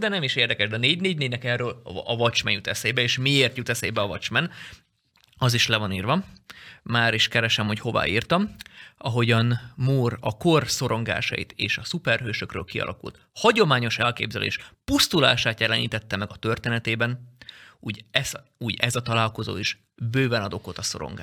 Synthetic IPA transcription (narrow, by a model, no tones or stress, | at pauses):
d̪ɛnɛmiʃeːrd̪ɛkɛʒd̪ɛɒneːɟneːɟneːnɛkɛrøːlɒvɒt͡ʃmɛɲjut̪ɛsejbɛeːʃmieːrt̪jut̪ɛsḛjbɛɒvɒt͡ʃmɛn | ɒziʃlɛvɒniːrvɒ | maːɾiʃkɛɾɛʃɛmho̞cho̞va̰ːiːrt̪ɒmɒɦo̞ɟɒnmuːrɒko̞rso̞ɾo̞ŋɡa̰ːʃɒ̰jḭt̪eːʃɒsupɛrɦøːʃøkrø̰ːlkiɒ̰lʔɒ̰kṵlt̪ | hɒɟo̞maːɲo̞ʃɛlkḛːbzɛlʔḛːʃpust̪ula̰ːʃaːt̪jɛlɛnḭːt̪ɛt̪ːɛmɛɡɒt̪ø̞rt̪eːnɛt̪eːbɛnuːɟɛs | uːɟɛzɒt̪ɒlaːlko̞zo̰ːiʃ | bøːvɛnɒd̪o̞ko̞t̪ɒso̞̰ɾo̰ŋɡa̰ː